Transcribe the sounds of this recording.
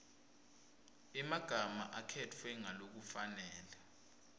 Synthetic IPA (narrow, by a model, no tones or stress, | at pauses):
ɛmaɡ̥ʱama̰ʔakʰɛtʰwɛŋalok̬ufanɛːla